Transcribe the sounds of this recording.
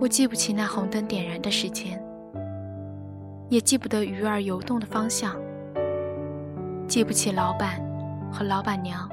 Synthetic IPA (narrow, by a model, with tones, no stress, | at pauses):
wɔ˨˩t͡ɕi˥˧pu˥˩t͡ɕʰi˨˩na˥˩xʊ˧˥ŋt̪ə˥nt̪jɛ˨˩nɻa˧˥nd̪ə˧ʂɻ̩˧˥t͡ɕjɛ˥n | jɛ˨˩t͡ɕi˥˩pu˥˩t̪ɤ˧˥y˧˥ə˞˧˩jo˧˥ʊt̪ʊ˥˩ŋd̪ə˩fɑ˥ŋɕjɑ˥˩ŋ | t͡ɕi˥˩pu˥˩t͡ɕʰi˨˩lɑ˧˥ʊpa˨˩˦nxɤ˧˥lɑ˧˥ʊpa˨˩nnjɑ˧˥˦ŋ